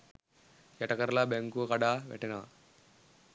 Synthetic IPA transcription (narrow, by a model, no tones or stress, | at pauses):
kɛʈɐkɐɾlaːbeŋkuɐkɐɖaʋḛʈina